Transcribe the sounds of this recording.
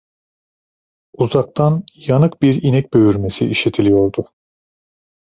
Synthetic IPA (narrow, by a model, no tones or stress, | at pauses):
uzak̚t̪ʰanjanɯk̚biɾinɛc̚ʲbø̞jyɾme̞siʔiʃet̪ʰilʲijo̞ɾd̪ʊ